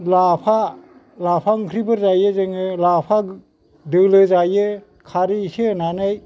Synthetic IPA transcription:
lapʰa | lapʰaŋkʰɾibɯɾzajɯzɯŋɯlapʰa | dɯlɯzajɯ | kʰaɾisɯnanaj

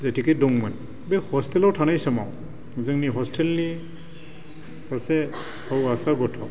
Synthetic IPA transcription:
zɛtʰikɛdɔŋman | bɛhɔstʰɛlɔɹtʰanajsama̰w | zaŋniɦɔstʰɛlni | sasɛ | auasaɹɡɔtʰɔ

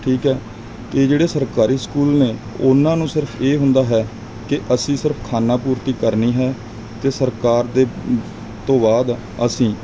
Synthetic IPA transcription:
ʈʰiːkɦɛː | t̪eːd͡ʒeːɽeːsəɾkaːɾiːskuːlneː | ʊnãːnũːsɪɾpʰeːɦʊnd̪aːɦɛː | kɪʔəsĩːsɪɾpʰkʰaːnãːpuːɾt̪iːkəɾniːɦɛː | t̪eːsəɾkaːɾd̪eː | t̪õːbaːd̪ | əsĩː

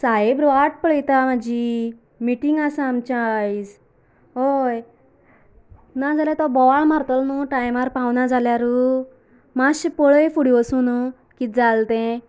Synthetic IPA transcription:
saɦebɾʋaʈ̚pəɭəjt̪amad͡ʑi | miʈiŋɡasamt͡ɕajd͡z | ɦoj | nad͡zalat̪ɔbɔʋaɭmaɾt̪ɔlnuʈajmaɾpawnad͡zaljaɾu | maɕpɔɭəjfuɽiɔsunu | kid͡zalt̪ẽ

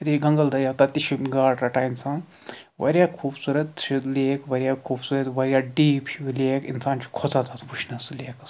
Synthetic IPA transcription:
ɐt̪ʰit͡ʃɡɐŋɡɐld̪ɐɾjad̪ɐt̪iʃimɡaːɽɾɐʈaːjnsãː | ʋɐ̰ɾjaːkʰuːbsuːɾɐt̪t͡ʃʰileːkʋɐɾijakʰuːbsuːɾɐt̪ʋɐɾʲjaːɖiːpt͡ʃʰiʋileːkinsaːnt͡ʃʰi̥kʰot͡sat̪ʰat̪pʰuʃnɐsleːkɐs

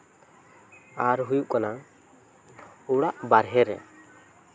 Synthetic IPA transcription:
aɾɦujuʔkana | uɽaʔbaɾɦɛɾɛ̰

